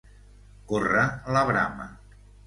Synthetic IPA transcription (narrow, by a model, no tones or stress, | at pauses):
koraləβɾa̰mə̰